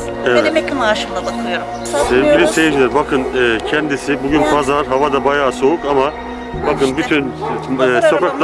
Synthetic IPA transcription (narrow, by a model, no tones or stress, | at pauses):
evɛmɛcʲimaʃɯmlˠabakʰɯlˠɯjoɾ | ebylynse̞vind͡ʒilʲæɾbakʰɯnɯːcʰɛnd̪isibuɟynbazaaɾɦavad̪abajaːso̞ukama | bakɯnbyt̪ʰynː | so̞kʰaklˠ